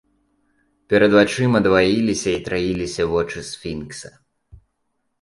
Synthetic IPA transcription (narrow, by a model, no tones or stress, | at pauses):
pʲɛɾɐd̪vat͡ʂɨmɐd̪vajilʲisʲɐit̪ɾajilʲisʲɐvɔt͡ʂɨsfʲinksɐ